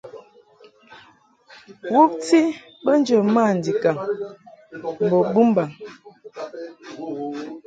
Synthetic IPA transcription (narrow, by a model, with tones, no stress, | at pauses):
wu˦p̚ti˦ | bə˦n˦d͡ʒə˨ma˦˨n˨di˨ka˨ŋ | m̩˨bo˨bu˦m˦ba˨ŋ